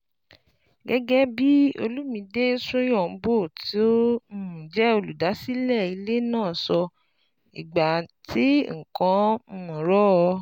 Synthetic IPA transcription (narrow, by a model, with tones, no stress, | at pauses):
ɡɛ˦ɡɛ˦bi˦o̰˧lu˦mĩ˧de˦sũ˦j̃ɔ̃˦˨m̩˦bo˦˨tʰi˨˦o˦ũ˨d͡ʒɛ˨˦o˧lu˨da˨˦si˦lɛ˦˨i˧le˦nãː˦˨sɔ˧ | ḭ˨ɡ͡ba˨tʰi˨˦ŋ̩˨kã˧˦m̩˦mɔ̃˨ɾɔ˦ɔ˧˦